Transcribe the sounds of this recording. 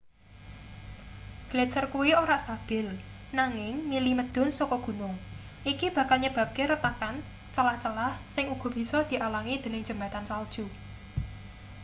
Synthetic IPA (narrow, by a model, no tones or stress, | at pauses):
ɡ̥let͡ʃərkuwioɾaʔst̪ab̥ɪ̤l | naŋɪŋmiliməd̪̥ɔ̤nsɔkɔɡ̥ṳnʊŋ | ʔikib̥ä̤kalɲəb̥ä̤p̚keɾət̪akan | t͡ʃəlaht͡ʃəlahsɪŋuɡ̥ɔ̤b̥i̤sɔd̪̥i̤ʔalaŋid̪̥ə̤nɪŋ̥d͡ʒ̥ə̤mba̤t̪ansald̥ʒ̥u